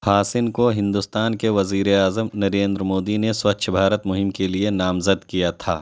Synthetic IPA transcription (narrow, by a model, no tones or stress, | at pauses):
pʰaːsɪnkoɦɪ̃nd̪ʊst̪aːnkeʋɐziːɾeaːzəmnɐɾẽːnd̪ɾəmoːd̪ineswɐtːʃʰbʱaːɾət̪mʊɦɪmkelienaːmzəd̪kijat̪ʰa̰ː